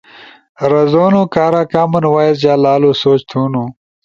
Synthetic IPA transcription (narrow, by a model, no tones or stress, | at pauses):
ɾɐzoːnoːkaːɾaːkaːmɐnwaːjezd͡ʑaːlaːluːsoːt͡ɕt̪ʰuːnu